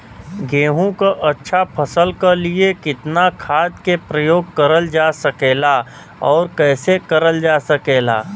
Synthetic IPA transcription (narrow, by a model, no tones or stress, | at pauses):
ɡeːɦũkaʔɐtːʃʰapʰəsəlkaliekɪt̪nakʰaːd̪kepɾəjoːɡ̚kəɾəld͡ʒaːsəkeːla | ɔːɾkɛːsekəɾəld͡ʒaːsəkeːla̰ː